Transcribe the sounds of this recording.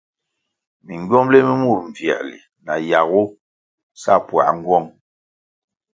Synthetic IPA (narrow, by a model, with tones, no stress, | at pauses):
mi˨ŋ˨ɡɥɔ˦mle˦mi˦mu˦˨ɾɱ˨vjɛ̰˨ʔlḭ˨ | na˨ja˨ɣu˦ | sa̰˦pwa̰˨ʔŋ̩˦ɡwɔ˦˨ŋ